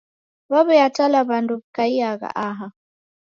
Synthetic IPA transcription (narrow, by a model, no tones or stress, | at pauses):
βaβɛjatalaβandubkaiaɣa̰ʔaɦa